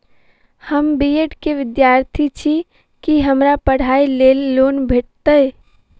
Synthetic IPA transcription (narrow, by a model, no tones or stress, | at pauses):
həmbijeʈkeʋɪd̪jaɾt̪ʰit͡ʃʰi | kiɦəmɾapəɽ̤ailelːonbʱeʈ̚t̪əj